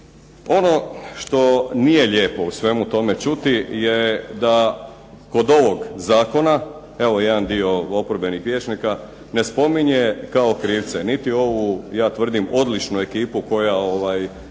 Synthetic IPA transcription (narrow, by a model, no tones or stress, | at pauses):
o̞no̞ʃt̪o̞nije̞ʎe̞ːpo̞usʋe̞mut̪o̞me̞t͡ʃut̪ijed̪a | ko̞d̪o̞ʋo̞ɡzaːko̞na | eʋojed̪and̪io̞opoɾbe̞nixʋʲjet͡ʃnika | ne̞spo̞miɲe̞kao̞kɾiːʋt̪senit̪io̞ʋujaːt̪ʋr̩d̪imo̞d̪lit͡ʃnue̞kiːpuko̞jao̞ʋaj